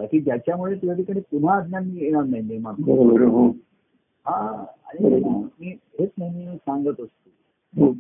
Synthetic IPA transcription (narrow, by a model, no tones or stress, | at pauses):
bakiːd͡ʑjat͡ɕjamuɭet̪ujat̪ikaɽ̃it̪um̤aːd̪njamiːeɽ̃anːaɦĩniɾmanbəɾobʱəɾoɦo | ɦãa̰ɽ̃imiːɦet͡sməmisaŋɡət̪əst̪o | ɦo